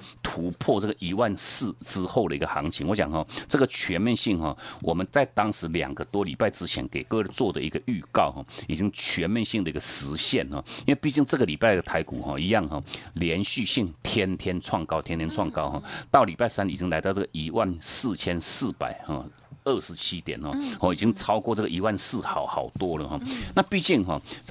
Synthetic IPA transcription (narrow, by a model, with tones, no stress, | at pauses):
t̪ʰu˧˥pʰwɔ˥˧t͡sɤ˥˩ɡə˩ʔi˧˥wa˥˨ns̩˥˩ʈ͡ʂɻ̩˥xo˥˩ʊd̪ə˩i˧˥ɡə˧xɑ˧˥ŋt͡ɕʰi˧˥ŋwɔ˧˦ɕjɑ̰˨˩ŋxɔ˥˧t͡sɤ˥˩ɡə˩t͡ɕʰɥɛ˧˥nmjɛ˥˧nɕi˥˩ŋxɔ˥˩wʔɔ˨˩mə˦nt͡sa˥˩ɪt̪ɑ˥ŋʂɻ̩˧˥ljɑ̰˨˩ŋɡə˦t̪wɔ˥li˨˩pa˥˩ɪʈ͡ʂɻ̩˥t͡ɕʰjɛ˧˥nke˨˩ɪkɤ˥˧˥t͡swɔ˥˩d̪ə̰˨˩i˧˥ɡə˧y˥˧kɑ˥˧ʊxɔ̰˥˩i˨˩t͡ɕi˦˥ŋt͡ɕʰɥɛ˧˥nmjɛ˥˧nɕi˥˩ŋd̪ə˩i˧˥ɡə˧ʂɻ̩˧˥ɕjɛ̰˥˩nxɔ̰˩i˥nwe˥˧pi˥˧˩t͡ɕi˥˧ŋt͡sɤ˥˩ɡə˩li˨˩pa˥˩ɪd̪ə˩t̪ʰa˧˥ɪkṵ˨˩xɔ̰˥˧˩i˧˥jɑ˥˧ŋxɔ˥˩ljɛ˧˥nɕy˥˧ɕi˥˩ŋt̪ʰjɛ˥nt̪ʰjɛ˥nt͡sʰwɑ˥˩ŋkɑ˥ʊtʰjnt̪ʰɛ˥nt͡sʰwɑ˥˧ŋkɑ˥ʊxɔ̰˥˩t̪ɑ˥˩ʊli˨˩pa˥˩ɪsa˥˦ni˨˩t͡ɕi˥ŋla˧˥ɪt̪ɑ˥˧ʊt͡sɤ˥ɡə˨ʔi˧˥wa˥˨nsɹ̩˥˩t͡ɕʰjɛ˥nsɹ̩˥˩pa̰˨˩ɪhɔ˥˩ | ə˥˩ʂɻ̩˧˦t͡ɕʰi˥t̪jɛ̰˨˩˦nhɔ˥hɔ˥˩i˨˩t͡ɕi˦˥ŋt͡sʰɑ˥ʊkwɔ˥˧t͡sɤ˥˩ɡə˨i˧˥wa˥˧nsɹ̩˥˩xɑ˨˩ʊxɑ˨˩ʊt̪wɔ˥lə˨xɔ˥˩na˥˧pi˥˧t͡ɕi˥˩ŋɦɔ̰˥˩